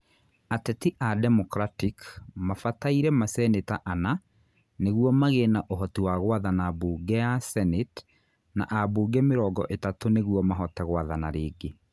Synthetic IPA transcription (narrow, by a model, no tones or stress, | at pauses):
atɛtiʔadɛmɔkɾatikmafataiɾɛmasɛnetaʔana | neɣwɔmaɣenaʔoɦɔtiwaɣwaðanabuːɡɛasɛnet | na̰ʔabuːɡɛmeɾɔːɡɔ̰ʔetatoneɣwɔmaɦɔtɛɣwaðanaɾeːɡe